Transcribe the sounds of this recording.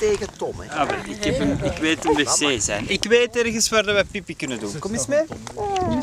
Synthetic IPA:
teːɣətɔmaʋɛlɪkɛpənɪkʋeːtənʋeːseːzɛ̰jnɪkʋeːtɛrɣənsʋaːrdɑʋɛpipikɵnəduːnkɔmismeː

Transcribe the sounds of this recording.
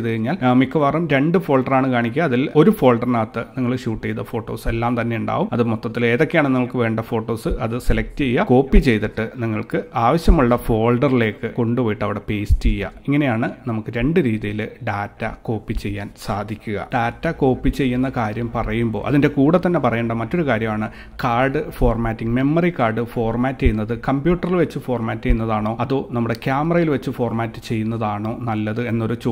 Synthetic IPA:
ðɨkɐɻiɲːaːlmikːɐʋaːrumɾe̞ɳɖɨfo̞ːɭɖɐraːɳɨkaːɳikʲːɣɐːðilo̞ɾufo̞ːɭɖɐrnaːt̪ːɨniŋːɐɭɕuːʈːejt̪ːɐfo̞ːʈːo̞ːse̞lːaːmt̪ɐnːe̞uɳɖa̰ːʋumɐðɨmot̪ːɐt̪ːile̞ːðo̞kːejaːɳɨniŋːɐɭkɨʋe̞ːɳɖɐfo̞ːʈːo̞ːsɨʔɐðɨselɐk̚ʈɨt͡ɕe̞jːɐko̞ːpːit͡ɕe̞jt̪iʈːɨniŋːɐɭkɨaːʋɐɕjɐmuɭːɐfo̞ːɭɖɐrile̞ːkːɨko̞ɳɖuʋoːjiʈːɐʋiɽe̞pe̞ːstejːɐ̰iŋːɐne̞jaːɳɨnɐmukːɨɾe̞ɳɖɨɾiːðijilɨɖaːtːɐ̰ko̞ːpːit͡ɕe̞jːaːnsaːd̪ʱikʲːuɣɐ̰ɖaːtːɐko̞ːpːit͡ɕe̞jːunːɐkaːɾjɐmpɐrɐjumbo̞̰ːʔɐ̰ðinde̞kuːɽɐt̪ːɐnːe̞pɐrɐjeːɳɖɐmɐtːo̞ɾukaːɾjɐmaːɳɨ | kaːrɖɨfo̞ːrmaːtːiŋme̞mːɐrikaːrɖɨfo̞ːrmaːtːt͡ɕe̞jːunːɐðɨkɐmbjuːʈːɐrilʋet͡ɕːɨfo̞ːrmaːtːt͡ɕe̞junːɐðaːɳo̞ːɐðoːnɐmːuɽe̞kjaːmɐrɐjilʋet͡ɕːɨfo̞ːrmaːtːɨ̥t͡ɕe̞jːunːɐðaːɳo̞ːnɐlːɐðɨe̞nːo̞ɾut͡ɕo

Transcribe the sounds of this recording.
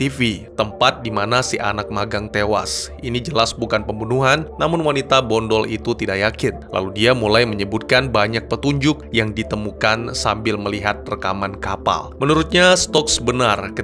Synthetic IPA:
t̪ifit̪əmpat̪̚dimanasiʔa̰nak̚maɡaŋt̪ewa̰sinid͡ʒəlasbukanpəmbunuɦanːamʊnwanit̪abɔndɔlit̪ut̪idaʔjakɪnlʔa̰ludiamulajməɲəbut̪̚kanbaɲak̚pət̪uɲd͡ʒʊk̚jaŋdit̪əmukansambɪlməliɦat̪̚rəkamankapa̰lmənuɾʊt̪̚ɲast̪ɔksbənarkə

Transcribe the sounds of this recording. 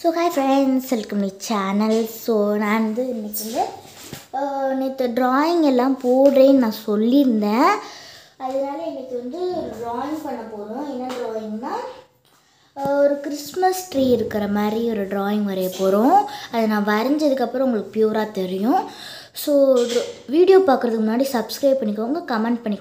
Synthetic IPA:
soːkaːjfɾɛɳsɛlkɐmnit͡ʃanɐlssoːnãːnd̪ɯɛnːɐt͡ʃːɐnd̪ɯ | nːɐt̪ːɐɖɾaːjɪŋɡɛlːãːpoːɽɾenãːsɔlːɪɾɯnd̪ẽː | ɐðɐnaːlɐɛnːɐkːɯʋɐnd̪ɯɔɾɖɾoːjɪŋɡpɐɳːɐpːoːɾʊ̃ɛnːɐɖɾoːjɪ̃ŋɡnaː | ɔɾɯkɪɾɪsmɐsʈɾiːɪɾɯkːɪɾɐmaːd̪ɾiɔɾɯɖɾaːjɪŋɡʋɐɾɐjɐpːoːɾʊ̃ɐðɐnãːʋɐɾɐɲd͡ʒɐðɯkːɐpːɯɾɐ̃ʊŋɡɐɭɯkːɯ̥pjuːɾaːt̪ɛɾɪjʊ̃ | soːʋiːɽɪjoːpaːkɯɾɐðɯkːɯmʊnːaːɽisɐbskɾɐɪp̚pːɐɳːɪkːɐŋɡɐkɐmɛɳʈ̚pɐɳːɪkː

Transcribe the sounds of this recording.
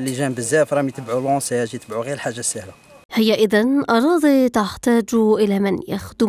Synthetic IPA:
liʒæmbəzːæfɾˤɑmit̪əbʕulõsæjæʒit̪əbʕuɣiɾəlħaʒːasːæhla | həjːaʔəðanʔɑɾˤɑːd̪ˤit̪aħt̪æːd͡ʒʔɪlæmɪnja̰xd̪

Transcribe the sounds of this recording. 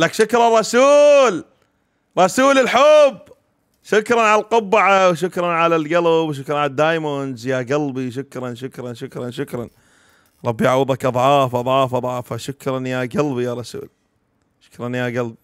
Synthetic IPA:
lakʃʊkɾˤɑrˤɑsuːl | ɾˤɑsuːlɪlħʊb | ʃʊkɾˤɑnʕalalqʊbːaʕawʃ̬ʊkɾˤɑnʕalalɡɑlbwʃ̬ʊkɾˤɑnʕalad̪ːaːjmonzjaɡalbiʃ̬ʊkɾˤɑnʃʊkɾˤɑnʃʊkɾˤɑnʃʊkɾˤɑn | ɾˤɑbːjaʕwɪðˤɑkʔɑðˤʕɑːfʔɑðˤʕɑːfʔɑd̪ˤʕɑːfaʃʊkɾˤɑnjaɡɑlbijaɾˤɑsṵːl | ʃʊ̥kɾˤɑnjaɡalbi

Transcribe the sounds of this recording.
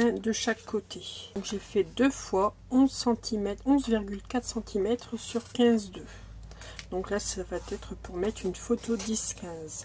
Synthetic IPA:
ɛ̃d̪əʃakʰːot̪ʰeɔ̃kʒefɛd̪øfwa | ɔ̃zsɑ̃t̪ʰimɛt̪ɔ̃zviʁɡʲylkat̪χsɑ̃t̪ʰimɛt̪χəsyʁkʲɛ̃zd̪ø | d̪̥ɔ̃klasavat̪ɛt̪χəpuʁmɛt̪χynfot̪od̪iskʲɛ̃z

